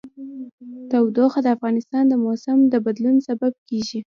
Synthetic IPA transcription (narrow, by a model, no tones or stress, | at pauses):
t̪awd̪oxad̪əafɣɑnɪst̪ɑnd̪əmosamd̪əbad̪lunsabab̚keʒi